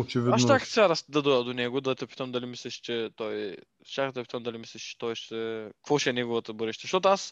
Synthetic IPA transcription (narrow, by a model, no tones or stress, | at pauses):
ot͡ʃividaʃak̪sʲaɾast̪d̪ɐd̪ɔjɐd̪onɛɡod̪ɐt̪ɛpi̥t̪əmd̪ɐlʲimislʲɛʃt͡ʃɛt̪ɔj | t͡ʃak̪t̪ɛpit̪əmd̪ɐlʲimislʲɛʃt͡ʃɛ̥t̪ɔjʃt̪ɛkvɔʃɛɛnɛɡovɐt̪əbɤɾɛʃt̪ɛʃt̪ot̪oas